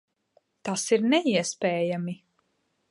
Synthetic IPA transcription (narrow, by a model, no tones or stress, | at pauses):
t̪asiɾnɛiɛspɛːjami